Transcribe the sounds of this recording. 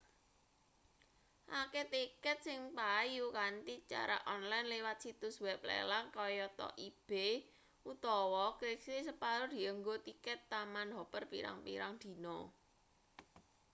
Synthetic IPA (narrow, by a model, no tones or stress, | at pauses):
ʔaket̪ikət̪̚sɪŋpajukant̪it͡ʃa̰ɾa̰ʔɔnlajnlewat̪̚sit̪ʊswɛp̚lḛlaŋkɔjɔt̪ɔ̰ʔib̥e | ʔut̪ɔwɔkliksisəpaɾod̪̥i̤əŋɡot̪ikət̪ːamanɦɔpərpḭɾa̰ŋpḭɾaŋd̪̥i̤nɔ